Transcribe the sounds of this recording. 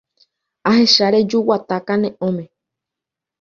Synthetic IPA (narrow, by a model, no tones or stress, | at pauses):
aɦeʃaɾed͡ʒuwat̪akanẽʔõme